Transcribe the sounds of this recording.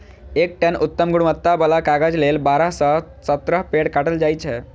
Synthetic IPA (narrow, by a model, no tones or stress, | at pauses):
ek̚ʈenut̪ːəmɡuɽmət̪ːabəlakaɡəd͡zlelbaɾasə | sət̪ɾəɦpeɽkaʈəld͡ʒajt͡ɕʰe